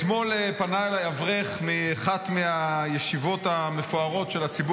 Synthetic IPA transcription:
tmo̞lepanajlajavʁeχmiaχatmeajeʃivo̞t̪amefoaʁo̞tʃelat͡sibu

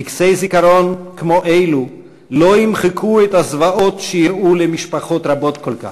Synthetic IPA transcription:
iksejzikaɾonkmoʔejlu | lo̞imχekʰuɛt̪hazvaʔot̪ʃejiɾulemiʃpaχo̞t̪ɾabo̞t̪kolka̰χ

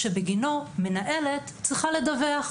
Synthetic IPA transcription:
ʃebeɡinomenaʔe̞let | t͡sʁiχale̞d̪aveaχ

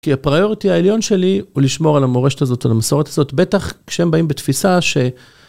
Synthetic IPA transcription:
kiapʁajo̞ʁitiaeljo̞nʃe̞liuliʃmo̞ʁalamoʁeʃetazo̞t̪alamaso̞ʁet̪azo̞t̪be̞t̪aχkʃeembaimbet̪fisaʃe̞

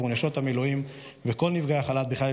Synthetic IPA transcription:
unaʃo̞t̪hameloim | veko̞lnivɡaaχalat̪biχlal

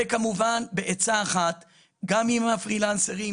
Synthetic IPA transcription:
ekamuvanbeʔet͡saːχat̪ | ɡamimafʁilanseʁi

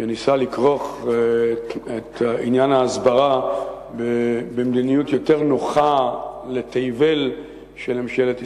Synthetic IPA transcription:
ʃenisalikʁo̞χ | et̪aʔinjanhaːzbaʁa | bebemd̪inijutjo̞te̞ʁnoχalet̪ejvel | ʃelemʃelet̪

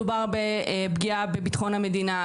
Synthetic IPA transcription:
ubaʁbebɡiabebit̪χo̞nhame̞d̪ina

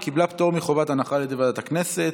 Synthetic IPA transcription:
kiblapt̪o̞ʁmiχovat̪anaχaled̪evadat̪aknese̞t

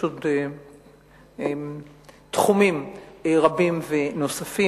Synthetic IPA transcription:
ute | t̪χumimʁabimveno̞safi

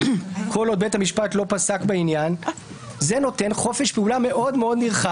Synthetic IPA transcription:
kʰo̞lod̚bethamiʃpat̪lo̞pasakbeinjan | zeno̞te̞nχo̞feʃpeulame̞ʔo̞d̪meo̞d̪niʁχa

